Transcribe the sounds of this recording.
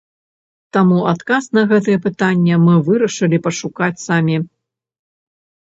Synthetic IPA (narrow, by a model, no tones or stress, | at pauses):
t̪amuat̪kasn̪ɐɣɛt̪̬ɨjɛpɨt̪anʲːɛmɨvɨɾɐʂɨlʲipɐʂukat͡sʲsamʲi